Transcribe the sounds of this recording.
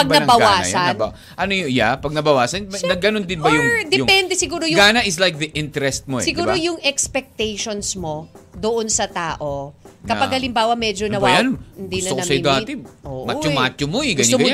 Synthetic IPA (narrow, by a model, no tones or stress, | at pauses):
pɐɡ̚nɐnɐbɐɡwaːsɐnba | ʔɐnojjapɐɡ̚nɐbɐwaːsɐnnɐɡɐnond̪ɪnbɐjʊŋd̪ɛjʊpɛnd̪ɛsɪɡuːɾojʊɡaːnɐʔɪslajk̚ðɐʔɪnt̪ɛɾɛst̪̚mosɪɡuːɾojʊŋɛkspɛk̚t̪ɛjʃonsmo̞d̪ʊʔonsɐt̪aːʔo̞kɐɐɡhɐlɪmbaːwɐmɛd͡ʒonɐwajanɪnd̪isnɐokɐsɐɪd̪at̪ɪoːʔmat͡ʃʊmaːt͡ʃomoɛɡɐɐɡm